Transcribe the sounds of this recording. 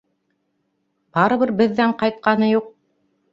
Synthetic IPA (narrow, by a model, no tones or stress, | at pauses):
b̥ɑɾɤ̆βɤɾbɘ̆ðːæɴqɑjt̪̚qɑnɤjuq̚